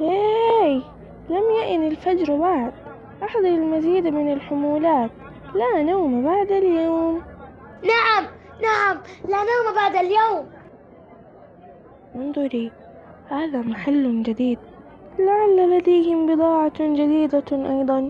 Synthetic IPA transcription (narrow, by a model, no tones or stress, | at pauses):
ʔeːj | lamjaʔɪnɪlfad͡ʒɾˤbaʕd̪̚ | ʔaħd̪ˤɑɾˤɪlmaziːd̪amɪnɪlħʊmuːlaːt̪ | laːnawmabaʕd̪aljaːmnaʕam | naʕamlanawmabaʕd̪aljaːm | mʊnd̪ˤʊɾi | haːðamaħalːʊd͡ʒad̪iːd̪̚ | laʕalːalad̪ajhɪmbɨd̪ˤɑːʕad͡ʒad̪iːd̪aʔɑjd̪ˤɑn